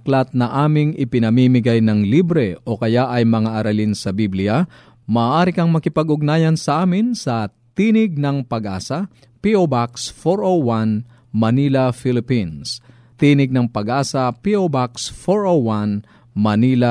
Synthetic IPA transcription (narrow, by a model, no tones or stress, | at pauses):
ɐklɐt̪̚nɐʔaːmɪŋɪpɪnɐmimɪɡajnɐŋlibɾɛʔo̞kɐjaʔɐjmɐŋaʔɐɾɐlinsɐbiblɪɐ | mɐʔːʔaːɾɪkɐŋmɐkɪpɐɡʔʊɡ̚naːjɐnsɐʔaːmɪnsɐ | t̪inɪɡ̚nɐŋpɐɡʔaːsɐ | piʔobaksfoɾʔowan | mɐniːlɐfilɪpins | t̪iːnɪɡ̚nɐŋpɐɡʔaːsɐpiʔobaksfoɹowan | mɐniːlɐ